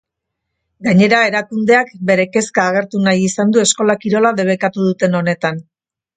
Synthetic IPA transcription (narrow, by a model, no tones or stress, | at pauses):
ɡaɲe̞ɾae̞ɾakund̪e̞akbe̞ɾe̞ke̞skaːɣ̞e̞ɾt̪unajisand̪ue̞sko̞lakiɾo̞laðe̞β̞e̞kat̪uðut̪e̞no̞ne̞t̪an